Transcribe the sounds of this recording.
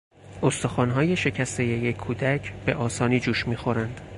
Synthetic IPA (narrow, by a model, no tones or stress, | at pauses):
ost̪oxɒːnɦɒːje̞ʃe̞cʰæst̪e̞je̞jekʰːuːd̪æcʰb̥e̞ʔɒːsɒːniːd͡ʒuːʃmiːxo̞ɾænd̪̥